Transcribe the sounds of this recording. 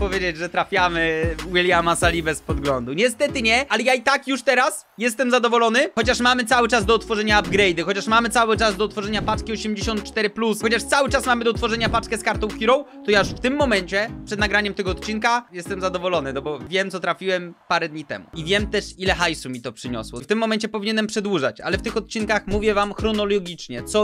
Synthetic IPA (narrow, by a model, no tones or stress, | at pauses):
pɔvʲjed͡ʑed͡ʑʐɛt̪ɾafʲjamɘwilʲjamasalʲibɛspɔd̪ɡlɔnd̪uɲɛst̪ɛt̪ɘɲɛalɛjait̪akjuʂt̪ɛɾas | jɛs̬t̪ɛmzad̪ɔvɔlɔnɘxɔt͡ɕaʂmamɘt̪sawɘt͡ʂazd̪ɔːt̪fɔʐɛɲaːbɡɾɛjd̪ɘxɔt͡ɕaʂmamɘt̪sawɘt͡ʂazd̪ɔːt̪fɔʐɛɲapat͡ʂkʲiɔɕemd͡ʑeɕɔ̃nt̪̚t͡ʂt̪ɛɾɘplusxɔt͡ɕaʂt̪sawɘt͡ʂasmamɘd̪ɔt̪fɔʐɛɲapat͡ʂkɛskaɾt̪ɔ̃w̃kʲiɾɔ̃wt̪ɔjauʂft̪ɘmːɔmɛɲt͡ɕɛpʂɛd̪naɡɾaɲɛmt̪ɛɡɔːt̪̚t͡ɕinkajɛst̪ɛmzad̪ɔvɔlɔnɘnɔbɔvʲjɛmt̪sɔt̪ɾafʲiwɛmpaɾɛd̪ɲit̪ɛ̰mṵivʲjɛmt̪ɛʂilɛxajsumʲit̪ɔpʂɘɲɔ̰swɔ̰ft̪ɘmːɔmɛɲt͡ɕɛpɔvʲiɲɛnɛmpʂɛd̪wuʐa̰t͡ɕa̰lɛft̪ɘxɔt̪̚t͡ɕinkaxmuvʲjɛvamxɾɔnɔlɔɡʲit͡ʂɲɛt̪sɔ